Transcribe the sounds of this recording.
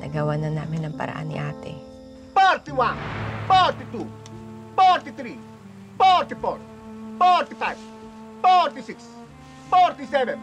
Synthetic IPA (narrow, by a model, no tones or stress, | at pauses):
nʔɐ̰ɡawanɐnaːmɪnɐŋpɐ̰ɾɐ̰ʔa̰nːɪ̰ʔaːt̪ɪ̰ | fɛɾt̪iwanfɔɾt̪it̪u | fɔɾt̪it̪ɾi | fɔɾt̪ifɔ̰ɹ | fɔɾt̪ifajv | fɔɾt̪isɪks | fɔɾt̪isɛvɛ̃n